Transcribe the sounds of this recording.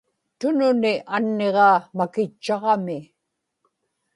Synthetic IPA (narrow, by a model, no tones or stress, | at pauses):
t̪ʊnʊnɪʔanːe̞ʁɑːmakɪt͡ʃːɑʁɑmɪ